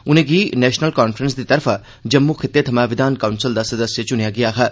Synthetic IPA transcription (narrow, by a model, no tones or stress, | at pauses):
ʊnẽɡinɛːʃnəlkaːnfʰɾəns̬d̪it̪ɐɾfʰ | d͡ʒɐmːukʰɪt̪ːet̪ʰɐmaʋɪd̪aːnkaːunsɪld̪asɐd̪əsjət͡ʃʊnijaɡɪjaɦɐ